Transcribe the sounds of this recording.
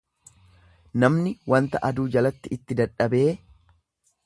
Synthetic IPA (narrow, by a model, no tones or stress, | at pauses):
nɐmnɪwɐnt̪ɐʔɐd̪uːd͡ʒɐlɐt̪ːɪɪt̪ːɪd̪ɐᶑɐbeː